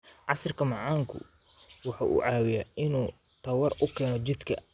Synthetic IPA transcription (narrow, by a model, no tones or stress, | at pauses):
ʕɑsɐrkʰɐmɑʕɑːŋkʰʊ̰ | wɑħɑːʔṵːʕɑːwɪjaɪnuː | t̪ʰɐwɐrʊkʰɛːnɔt͡ʃɪd̪kʰɐ